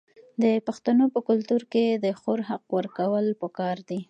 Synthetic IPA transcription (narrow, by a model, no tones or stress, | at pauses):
d̪əpaxt̪anopəkʊlt̪uɾked̪əxoɾɦaqwəɾkawəlpəkɑɾd̪i